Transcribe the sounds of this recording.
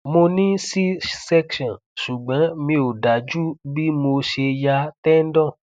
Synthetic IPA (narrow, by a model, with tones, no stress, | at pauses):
mo˧nĩ˦si˦sɛ˦kʃɔ̃˨ | ʃu˨ɡ͡bɔ̃˨˦mĩ˧o˨da˨˦d͡ʒu˦bi˦mo˧ʃe˧ja˧tɛ˦n̩˦dɔ̃˦˨